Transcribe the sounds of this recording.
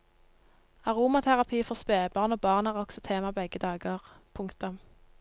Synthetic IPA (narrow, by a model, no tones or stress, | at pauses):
ɑʁuːmɑt̪ʰæʁɑpʰiːfɔʁspeːbɑːʁnoːbɑːʁnæːʁɔksɔt̪ʰeːmɑbɛɡəd̪ɑːɡəʁpʰʊŋkt̪ʊm